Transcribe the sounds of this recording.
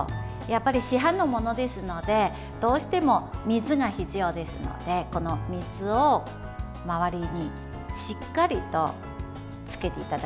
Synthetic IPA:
japːaɾʲiɕiɦãnːo̞mo̞no̞d̪e̞sɨno̞d̪e̞ | d̪̥o̞ːɕi̥t̪e̞mo̞mʲizɨɡaçit͡sɨjo̞ːd̪e̞sɨno̞̰d̪e̞ko̞no̞mʲizɨo | maβaɾʲiɲ̟i | ɕikːaɾʲit̪o̞̰ | t͡sɨ̥ke̞t̪e̞it̪ad̪a

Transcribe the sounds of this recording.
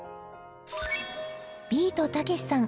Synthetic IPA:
bʲiːt̪o̞t̪ake̞ɕi̥sãŋ

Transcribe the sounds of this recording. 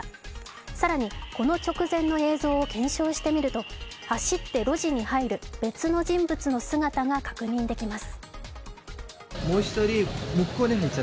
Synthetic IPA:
saɾaɲ̟iko̞no̞t͡ɕo̞kɯ̟zẽ̞nːo̞e̞ːzo̞ːkẽ̞ɰ̃ɕo̞ːɕi̥t̪e̞mʲiɾɯ̟t̪o̞ | haɕit̪ːe̞ɾo̞ʑiɲ̟ihaiɾɯ̟be̞t͡sɨno̞ʑĩmbɯ̟t͡sɨno̞sɨɡat̪aŋakḁkɯ̟ɲ̟ĩnd̪e̞kʲimasɨ̥ | mo̞ːçi̥t̪oɾʲimɯ̟kːo̞ːneɦait͡ɕːa

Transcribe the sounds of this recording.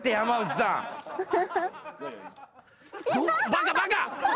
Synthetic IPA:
t̪eamaza | ubaɡabaɡa

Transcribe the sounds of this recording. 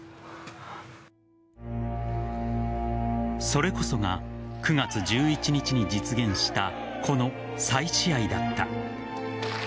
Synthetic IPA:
so̞ɾe̞ko̞so̞ɡakɯ̟ɡat͡sɨd͡ʑɨːit͡ɕiɲ̟it͡ɕiɲ̟id͡ʑit͡sɨɡẽ̞ɰ̃ɕi̥t̪a | kʰo̞no̞ | saiɕiaid̪at̪ːa̰

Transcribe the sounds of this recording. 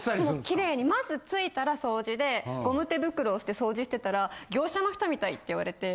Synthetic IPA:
okʲiɾe̞ːɲ̟imazɨt͡sɨit̪aɾaso̞ːʑid̪e̞ɡo̞mɯ̟t̪ːe̞bɯ̟kɯ̟ɾoːsɨ̥t̪e̞so̞ːʑiɕi̥t̪e̞t̪aɾaɡʲo̞ːɕano̞çi̥t̪o̞mʲit̪ait̪ːe̞iβa̰ɾe̞t̪e̞

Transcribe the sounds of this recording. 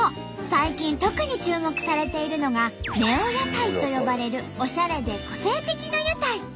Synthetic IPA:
saikʲĩnt̪o̞kɯ̟ɲ̟it͡ɕɨːmo̞kɯ̟̥saɾe̞t̪e̞iɾɯ̟no̞ɡane̞õjot̪ait̪o̞jo̞baɾe̞ɾɯ̟ | o̞ɕaɾe̞d̪e̞ko̞se̞ːt̪e̞kʲinajot̪ai

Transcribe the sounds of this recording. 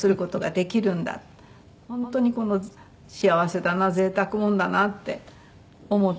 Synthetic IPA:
sɨɾɯ̟ko̞t̪o̞ɡad̪e̞kʲiɾɯ̟̃nd̪a̰t̪ | hõ̞nt̪o̞ɲ̟iko̞no̞ | ɕiaβase̞t̪anaze̞ːt̪akɯ̟mõ̞nd̪anat̪ːe̞̰ | omo̞t̪

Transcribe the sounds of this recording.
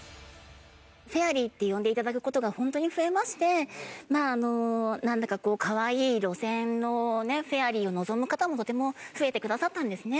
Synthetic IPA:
ɸe̞aɾʲiːt̪ːe̞jõ̞nd̪e̞it̪ad̪ak̬ɯ̟ko̞t̪o̞ɡahõ̞nt̪o̞ɲ̟iɸɯ̟e̞maɕi̥t̪e̞maːno̞nãnd̪akako̞ːkʰaβaiːɾo̞sẽ̞nːo̞neɸe̞aɾʲiːo̞nozo̞mɯ̟kat̪amo̞t̪o̞t̪e̞mo̞ɸɯ̟e̞t̪e̞kɯ̟d̪asat̪ːãnd̪e̞sɨne̞

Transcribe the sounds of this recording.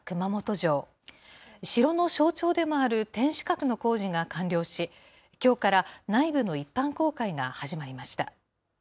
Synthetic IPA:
kɯ̟mamo̞t̪o̞ʑo̞ː | ɕiɾo̞no̞ɕo̞ːt͡ɕo̞ːd̪e̞mo̞aɾɯ̟t̪ẽ̞ɰ̃ɕɨ̥kakɯ̟no̞ko̞ːʑiŋakãnɾʲo̞ːɕi | kʲo̞ːkaɾanaibɯ̟no̞ipːãŋko̞ːkaiŋahaʑimaɾʲimaɕi̥t̪a̰

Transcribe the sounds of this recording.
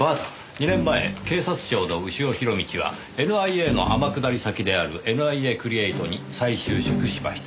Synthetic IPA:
at̪ | ɲ̟inẽ̞mːae̞̰ke̞ːsat͡sɨ̥ʑo̞ːno̞ɯ̟ɕio̞çiɾo̞mʲit͡ɕiβ̞a̰ | e̞nɯ̟aieːno̞̰hamakɯ̟d̪aɾʲisakʲid̪e̞aɾɯ̟ʔe̞nɯ̟aie̞ːkɯ̟ɾʲieit̪o̞ɲ̟isaiɕɨːɕɨkɯ̟ɕima̰ɕi̥t̪a

